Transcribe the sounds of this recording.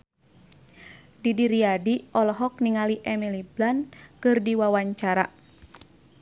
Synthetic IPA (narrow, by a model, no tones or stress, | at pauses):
didiɾiadiɔlɔɦɔk̚niŋaliʔɛmiliblankɨrdiwawaɲt͡ʃaɾa